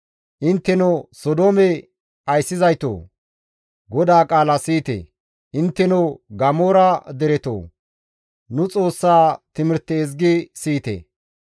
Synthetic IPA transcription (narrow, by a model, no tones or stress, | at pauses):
ʔɪnt̪ːɛnɔsɔd̪oːmɛ | ɐjsːɪzɐjt̪o̰ː | ɡɔd̪aːkʼaːlɐsiːt̪ḛ | ʔɪnt̪ːɛnoɡɐmoːɾɐd̪ɛɾɛt̪o̰ː | nʊt͡sʼo̞ːsːaːt̪ɪmɪɾt̪ːɛːzɡɪsiːt̪ḛ